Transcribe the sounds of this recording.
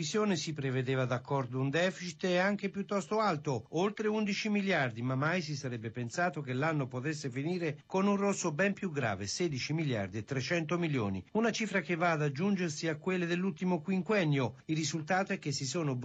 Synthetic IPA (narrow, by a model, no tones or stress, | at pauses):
isjoːnesipɾeved̪eːvad̪akʰːɔrd̪ound̪ɛfit͡ʃit̪ɛaŋk̟epjut̪ːɔst̪oalt̪oolt̪ɾeund̪it͡ʃimiljard̪imamːajs̬isaɾɛbːepensaːt̪ok̟elːanːopot̪es̬ːefiniːɾekonunrosːobɛmpjuɡɾa̰ːvesɛːd̪it͡ʃimilja̰rd̪iet̪ːɾet͡ʃɛnt̪̬omiljo̰ːnḭunat͡ʃiːfɾak̟evaːd̪ad͡ʒːund͡ʒersiakːwelːed̪elːult̪imokwiŋkwɛnːjoilrːizult̪aːt̪oɛk̟ːesːisoːno